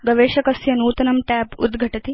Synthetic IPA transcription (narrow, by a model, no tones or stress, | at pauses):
ɡɐʋeːʃɐkɐsjɐnuːt̪ɐnɐmʈaːpṵd̪ɡʱɐʈɐt̪i